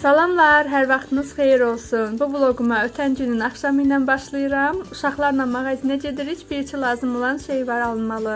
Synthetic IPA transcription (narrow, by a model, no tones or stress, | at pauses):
sɑlˠɑmlˠɑɾɦæɾvɑχt̪ʰɯnɯz̥χe̞jiɾo̞lˠsunbublˠo̞ɡumɑøt̪ʰænɟynynɑχʃɑmɯjnɑnbɑʃlˠɯjɯɾɑmuʃɑχlˠɑɾnɑnmɑɣɑzinæd͡ʒe̞d̪iɾicbiɾit͡ʃʰilˠɑːzɯmo̞lˠɑnʃejvɑɾɑlˠɯnmɑlˠɯ